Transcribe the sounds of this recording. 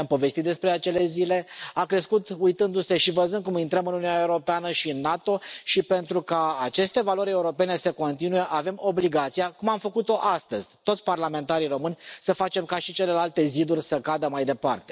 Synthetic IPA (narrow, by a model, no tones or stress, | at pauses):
mpo̞ve̞st̪it̪d̪espɾe̞at͡ʃe̞le̞zile̞akɾe̞skut̪ujt̪ɨnd̪use̞ʃivəzɨnd̪kumint̪ɾəmɨnununaeuɾo̞peanəʃiɨnːat̪o̞ʃipe̞nt̪ɾukaːt͡ʃe̞st̪e̞valo̞ɾʲe̞uɾo̞pe̞ne̞səko̞nt̪inuje̞ʔave̞mo̞bliɡat̪sijakumamfəkut̪o̞ʔast̪əzʲt̪ot̪sʲparlame̞nt̪aɾiɾo̞mɨnʲsəfat͡ʃe̞mkaʃit͡ʃe̞le̞lalt̪e̞zid̪urʲsəkad̪əmajd̪e̞part̪e̞̥